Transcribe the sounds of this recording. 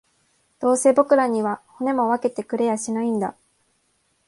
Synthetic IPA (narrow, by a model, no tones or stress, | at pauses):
d̪̥o̞ːse̞ːbo̞kɯ̟ɾaɲ̟iβaho̞ne̞mo̞βake̞t̪e̞kɯ̟ɾe̞jaɕinaĩnd̪a̰